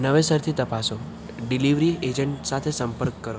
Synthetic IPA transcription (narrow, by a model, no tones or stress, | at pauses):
nəʋesəɾt̪ʰit̪əpaso | ɖiliʋɾied͡ʒəɳʈsat̪ʰesəmpəɾkːəɾo